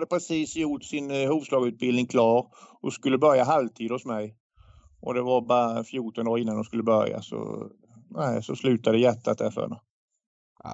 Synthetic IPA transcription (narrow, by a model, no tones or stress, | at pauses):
had̪əpʰɾɛsiːsjʊʈsɪnhuːvslɑːɡʉ̟ːt̪̚bɪlnɪŋkʰlɑːɾɔskɵlːəbœɾjaɦalvt̪ʰiːd̪hʊsmɛj | ʔɔd̪ɛvaɾbɑɾafjuːʈɔnd̪oːɾɪnːand̪ʊmskɵlːəbœɾja̰sɔ̰ | næɪsɔslʉ̟ːt̪ad̪əjɛt̪ʰːat̪ɛftə̰ɛ̰nə